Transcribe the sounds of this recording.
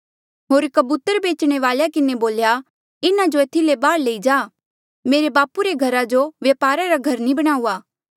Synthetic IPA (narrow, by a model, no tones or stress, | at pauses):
ɦoːɾkɐbut̪əɾbeːt͡ʃɽ̃eʋaːljakɪneboːlja | ɪnad͡ʒoeːt̪ʰilebaːɽleːid͡ʒaː | meːɾebaːpuɾeɡʱɐɾad͡ʒoʋjɐpaːɾaɾaɡʱɐɾnĩbɐɽ̃aːuːaː